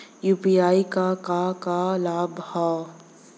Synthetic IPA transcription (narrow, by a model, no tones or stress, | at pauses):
juːpiaːikakakalaːbha